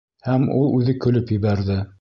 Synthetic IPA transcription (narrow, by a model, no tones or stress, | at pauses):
hæmṵlˠʉðɘkɵ̆lɵpjɘ̆βæɾðɘ